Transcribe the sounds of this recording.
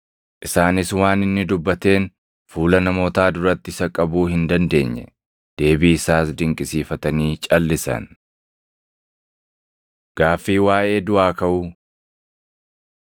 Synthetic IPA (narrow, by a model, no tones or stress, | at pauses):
ʔɪsaːnɪswaːnɪnːɪd̪ʊbːɐt̪e̞ːn | fuːlɐnɐmo̞ːt̪aːd̪ʊɾɐt̪ːɪsɐkʼɐbuːhɪnd̪ɐnd̪e̞̰ːɲːɛ̰ | d̪̥e̞ːbiːɪsaːsd̪ɪŋkʼɪsiːfɐt̪ɐniːt͡ʃʼɐlːɪsɐ̰n | ɡ̥aːfːiːwaːʔe̞ːd̪ʊʔaːkɐʔʊ